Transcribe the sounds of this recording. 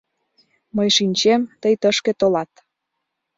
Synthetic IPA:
məjʃinʲt͡ɕemt̪əjt̪əʃkĕt̪olɑt̪

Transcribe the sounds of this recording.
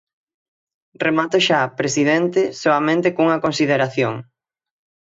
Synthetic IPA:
remat̪oʃaːpɾesiðent̪ɪsoɐmẽnt̪ekuŋɐkonsið̞eɾaθjoŋ

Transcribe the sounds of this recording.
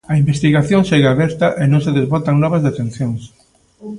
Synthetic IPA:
ɐĩmbest̪iɣaθjõŋʃeɣaβɛɾt̪ɐʔenõŋseðezβɔt̪ɐŋnɔβ̞ɐzðet̪ẽn̟θjoŋs

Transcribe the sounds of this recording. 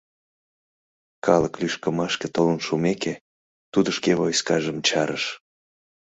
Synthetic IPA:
kɑləklyʃkəmɑʃket̪olənʃumeke | t̪ud̪əʃkevojskɑʒəmt͡ɕɑɾəʃ

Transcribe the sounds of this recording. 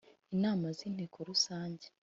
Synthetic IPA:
inaːmaziːnhekʰoɾusaːɲɟe

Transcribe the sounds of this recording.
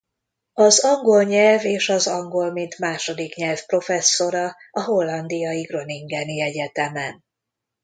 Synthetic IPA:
ɒzɒŋɡo̞lɲɛlveːʃɒzɒŋɡo̞lmint̪maːʃo̞d̪ikɲɛlfpro̞fɛsːo̞ɾɒɒɦo̞lːɒnd̪ijɒjiɡro̞niŋɡɛniɛɟɛt̪ɛmɛn

